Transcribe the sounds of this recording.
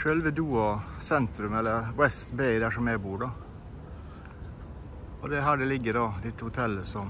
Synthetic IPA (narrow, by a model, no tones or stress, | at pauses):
ʃøːlʋəd̪uːɑsɛnt̪ɾʉmɛlːəɾwɛst̪bɛɪd̪æʂɔmæbuːɖɑ | ɔd̪ɛɦæːɖɛlɪɡːəɖɑːd̪ɪt̪ːəhʊt̪ʰɛlːəsɔm